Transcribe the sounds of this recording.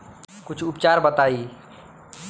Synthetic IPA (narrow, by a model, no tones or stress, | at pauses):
kut͡ʃʰupt͡ʃaɾbət̪ai